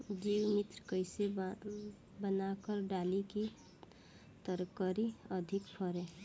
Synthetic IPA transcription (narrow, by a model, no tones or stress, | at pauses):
d͡ʒiːwmɪt̪ɾkəɪse | bənakəɾɖaːliki | t̪əɾkəɾiəd̪ʱɪkpʰəɾẽː